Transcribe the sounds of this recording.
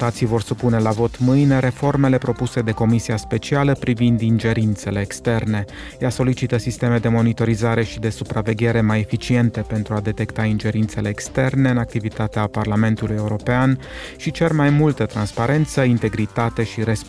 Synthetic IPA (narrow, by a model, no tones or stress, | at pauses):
t̪at̪sijvo̞rsupune̞lavo̞t̪mɨjne̞ɾe̞fo̞rme̞le̞pɾo̞puse̞d̪e̞ko̞misiaspe̞t͡ʃialəpɾivind̪ind͡ʒe̞ɾint̪se̞le̞ːkst̪e̞rne̞ | jaso̞lit͡ʃit̪əsist̪e̞me̞d̪e̞mo̞nit̪o̞ɾizaɾe̞ʃid̪e̞supɾave̞ɡʲe̞ɾe̞maje̞fit͡ʃie̞nt̪e̞pent̪ɾuad̪e̞t̪e̞kt̪aind͡ʒe̞ɾint̪se̞lʔe̞ːkst̪e̞rne̞ɨnak̚t̪ivit̪at̪eaparlame̞nt̪uluje̞uɾo̞pean | ʃit͡ʃe̞rmajmult̪ət̪ɾanspaɾe̞nt̪səint̪e̞ɡɾit̪at̪e̞ʃiɾe̞s